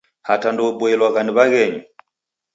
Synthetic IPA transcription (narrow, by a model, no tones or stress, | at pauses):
hatandɔbɔɛlwaɣaniβaɣɛɲu